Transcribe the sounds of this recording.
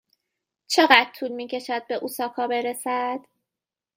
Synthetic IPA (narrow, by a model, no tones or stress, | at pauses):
t͡ʃʰe̞ɣæd̪t̪ʰuːlmiːcʰe̞ʃæd̪̚be̞ʔuːsɒːkʰɒːbe̞ɾe̞sæd̪̥